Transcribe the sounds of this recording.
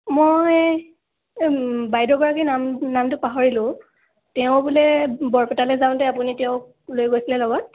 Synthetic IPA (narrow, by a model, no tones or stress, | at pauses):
mɔj | bajdɔɡɔɹakinamnamtʊpaɦɔɹilʊ̃ | tɛʊ̃bulɛbɔɹpɛtalɛzaʊ̃tɛapunitɛʊk | lojɡojsilɛlɔɡɔt̚